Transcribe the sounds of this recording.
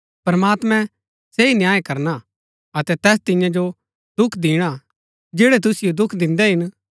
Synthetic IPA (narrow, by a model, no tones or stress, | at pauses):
pɾɐmaːt̪mɛ̃ | seinjaːekɐɾna | ɐt̪ɛt̪ɛːst̪ɪ̃jãd͡ʒo | d̪ʊkʰd̪ɪːɽ̃a | d͡ʒeːɽɛt̪̬ʊsɪjod̪ʊkʰd̪ɪ̃nd̪ɛɦɪn